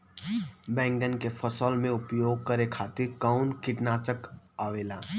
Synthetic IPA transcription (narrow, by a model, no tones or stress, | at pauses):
bɛ̃ːŋɡənkepʰəsəlmẽʊpjoːɡ̚kəɾekʰaːt̪ɪɾkəʊnkɪʈnaːt͡ʃək | aːʋeːlaː